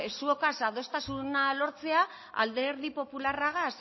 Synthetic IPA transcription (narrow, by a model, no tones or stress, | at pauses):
esuokasaðo̞st̪asunalo̞ɾt͡se̞a | a̰ld̪eɾðipo̞pularaɣas